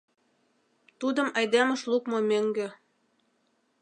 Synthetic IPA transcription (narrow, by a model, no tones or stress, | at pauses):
t̪ud̪ə̆mɑjd̪emə̆ʃlukmomøŋɡø̆